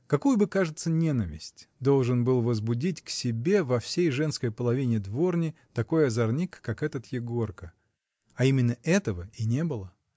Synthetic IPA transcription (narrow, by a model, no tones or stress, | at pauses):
kɐkujʊbɨkaʐɨt̪sənʲe̞nəvʲɪ̰sʲtʲd̪o̞lˠʐɨnbɨlˠvəzbʊdʲitʲksʲɪbʲe̞vɐfsʲejʐɛnskəjpəlˠɐvʲinʲɪd̪vo̞rnʲɪt̪ɐko̞jɐzɐrnʲikːakɛt̪ət̪jɪɡo̞rkə | ɐimʲɪnːəʔɛt̪əvəinʲe̞bɨlˠə